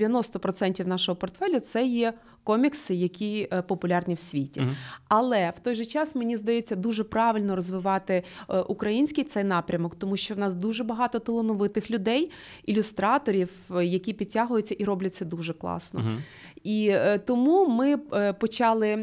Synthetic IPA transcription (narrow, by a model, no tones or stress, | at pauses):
ʋʲjɐnɔst̪ɔpɾɔt̪sɛnʲtʲiwn̪ɑʃɔɦɔpɔrt̪fɛlʲʊt̪sɛjɛ | kɔmʲiksɪjɐkʲipɔpʊlʲɑrnʲiwsʲʋʲitʲḭɐlˠɛwt̪ɔjʒɛt͡ʃɑsmenʲizd̪ɐjet͡sʲːɐd̪uʒɛpɾɑʋɪlʲnɔɾɔzʋɪʋɑt̪ɪʔukɾɐjinʲsʲkʲijt̪sɛjn̪ɑpɾʲɐmɔkt̪ɔmuʃt͡ʃɔwnɑsd̪uʒɛbɐɦɑt̪ɔt̪ɪlˠɪnʊʋɪt̪ɪxlʲʊd̪ɛj | ilʲʊst̪ɾɑt̪ɔɾʲiwjɐkʲipʲid̚ʲtʲːaɦʊjʊt͡sʲːɐʔiɾɔblʲɐtʲt͡sʲːɐd̪uʒɛklˠɑ̰snɔ̰ | it̪ɔmumɪpɔt͡ʃɑlˠɪ